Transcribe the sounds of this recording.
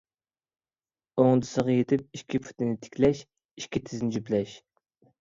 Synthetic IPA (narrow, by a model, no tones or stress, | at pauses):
oŋd̪ɨsəʁɑjet̪ʰɪp̚iʃkʲʰipʰu̥t̪ɪnɪt̪ʰɪ̥kʲlɛʃ | iʃkʲit̪ʰɪznɪd͡ʒyplɛʃ